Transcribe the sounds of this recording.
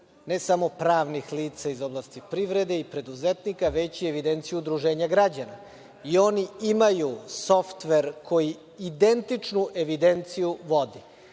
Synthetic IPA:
nesamo̞pɾaːʋnixliːt̪saizo̞blˠast̪ipɾiʋɾed̪e̞ipɾe̞d̪uzet̪nikaʋet͡ɕieʋid̪ent̪sijud̪ɾuʒe̞ːɲaɡɾad͡ʑana̰ | io̞niimajuso̞ft̪ʋeɾkʰo̞jiː | d̪ent̪it͡ʂnuʔe̞ʋid̪e̞nt̪sijuʋo̞d̪i

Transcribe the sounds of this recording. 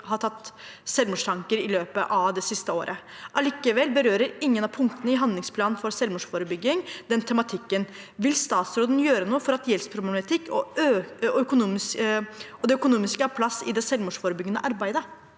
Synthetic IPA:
hɑʈ̪ʰɑt̪ːsɛlmʊʂʈ̪ʰɑŋkəɾɪløːpəʔɑʋd̪ɛsɪst̪əoːɾʔə | ʔɑliːkəʋɛlbəɾøːɾəɾɪŋːənɑpʰʊŋkt̪ənəɪɦɑnd̪lɪŋspʰlɑːnnfɔɾsɛlmʊʂfoːɾəbʏɡːɪŋd̪ɛnt̪ʰɛmɑt̪ʰɪkːən | ʋɪlst̪ɑːt̪sɾoːd̪njøːɾənuːəfɔɾɑt̪jɛlspʰɾʊblɛmɑt̪ʰɪkːɔøœkʊnuːmɪsəɔd̪ɛœkʊnuːmɪskəæpʰlɑsːɪ̰d̪ɛsɛlmʊʂfoːɾəbʏɡːənə̰ʔɑɾbæɪd̪ə

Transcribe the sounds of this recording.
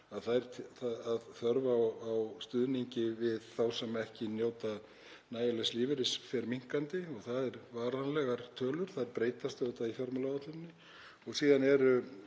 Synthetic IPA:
aðθajɾ̥tʰθaaðθœɾvawawst̪ʏðniɲcɪvɪðθawsɛmːɛhcɪnjoːwt̪a | naːjɪlɛsliːvɪɾɪsfɛɾmiŋ̥kant̪ɪɔɣθaðɛɾvaːɾanlɛɣaɾ̥t̪ʰœːlʏɾ̥θaðɛɾpɾeːjt̪ast̪œːwt̪aifjɔɾmalaat̪lʏɪnːɪ | ɔɣsiːðanɛɾʏ

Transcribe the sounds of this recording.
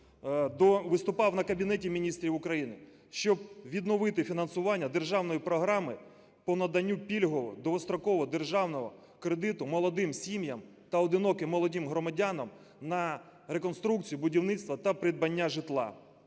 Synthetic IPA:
d̪ɔʋɪst̪ʊpɑwnɐkɐbʲinɛtʲimʲinʲist̪ɾʲiwʊkɾɐjinɪ | ʃt͡ʃɔb̚ʋʲid̪nɔʋɪt̪ɪfʲinɐnsʊʋɑnʲːɐd̪e̞rʒɑwnɔjipɾɔɦɾɑmɪ | pɔnɐd̪ɐnʲːupʲilʲɦɔʋɔ̰d̪ɔɔst̪ɾɔkɔʋɔd̪erʒɑwnɔɦɔ | kɾed̪ɪt̪ʊmɔlˠɔd̪ɪmsʲimjɐm | t̪ɐɔd̪ɪnɔkɪmːɔlˠɔdʲimɦɾɔmɐdʲanɐm | nɐ | ɾekɔnst̪ɾuk̚t͡sʲijibʊdʲiwnɪt̪st̪ʋɐt̪ɐpɾɪd̪bɐnʲːaʒɪt̪lˠɑ̰

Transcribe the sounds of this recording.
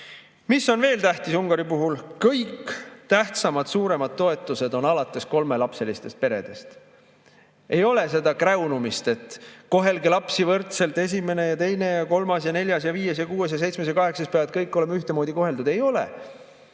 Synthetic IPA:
misːo̞nve̞ːlt̪æht̪isuŋɡ̥ɑɾipuɦulkɤjkt̪æht̪sɑmɑd̪̥suːɾe̞mɑd̪̥̚t̪ːo̞e̞t̪ːˑuse̞d̪o̞nɑlɑt̪ˑːe̞sko̞lme̞lɑpse̞list̪e̞st̪̚pe̞ɾe̞̰d̪̥e̞st̪ | ejo̞le̞s̬e̞d̪ɑkrewnumist̪e̞t̪ˑko̞ɦe̞lɡilɑpsivɤrt̪se̞lt̪ːˑe̞s̬ʲime̞ne̞jɑt̪e̞jne̞jɑko̞lmɑsjɑne̞lʲjɑsjɑviːesjɑkuːe̞s̬jɑs̬e̞jt̪smes̬jɑkɑɦe̞ksɑst̪peæːɑt̪kɤjkˑːo̞le̞myht̪emo̞ːd̪iko̞ɦe̞ld̪ud̪̥ejo̞lḛ

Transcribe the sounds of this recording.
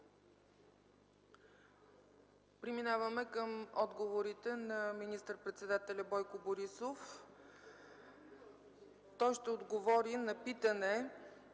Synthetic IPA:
pɾiminavəmɛkəmɔd̪ɡovoɾit̪ɛnɐminist̪əɾpɾɛt̪sɛd̪at̪ɛlʲɐbɔjkʊboɾisof | t̪ɔjʃt̪ɛod̪ɡovɔɾinɐpit̪ənɛ

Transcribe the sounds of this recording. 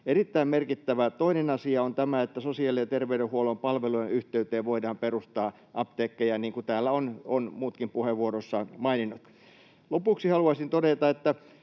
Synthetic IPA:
erit̪ːæimmerkit̪ːæʋæt̪oinenɑsiɑont̪æmæet̪ːæsosiɑliɑt̪erʋeyɾehuolompɑlʋeluenyht̪eyt̪eːʋoidɑːmperust̪ɑː | ʔɑpt̪eːkːejæniːŋkut̪æːlːæononmuːt̪kimpuheʋʋuorosːɑnmɑininːˑut̪ | lopuksihɑluɑsint̪odet̪ɑet̪ːæ

